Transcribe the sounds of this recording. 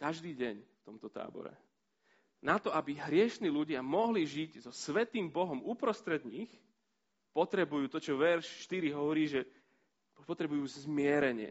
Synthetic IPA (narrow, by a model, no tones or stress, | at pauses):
kaʒd̪iːɟɛɲft̪ɔmt̪ɔt̪a̰ːbɔ̰ɾɛ̰ | nat̪ɔabiɦɾɪɛʃniːluɟɪamɔɦliʒiɟzɔsʋɛt̪iːmbɔɦɔmupɾɔst̪ɾɛd̪ɲix | pɔt̪ɾɛbujuːt̪ɔt͡ʃɔʋɛɾʃʃt̪iɾiɦɔʋɔɾiːʒɛ | pɔt̪ɾɛbujuːzzmɪɛɾɛɲɪɛ̰